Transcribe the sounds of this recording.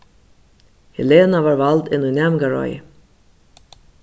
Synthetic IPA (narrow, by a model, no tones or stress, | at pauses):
hɛleːnavaːɹvald̪ɪnunamɡaɹɔ̰j